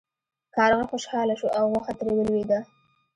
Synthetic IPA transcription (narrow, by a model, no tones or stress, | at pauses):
kɑɾɣaxoʃhɑlaʃuʔawɣaxat̪ɾewəlwed̪a